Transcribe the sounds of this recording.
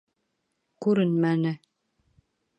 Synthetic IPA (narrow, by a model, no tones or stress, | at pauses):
kʉɾɘnmænɘ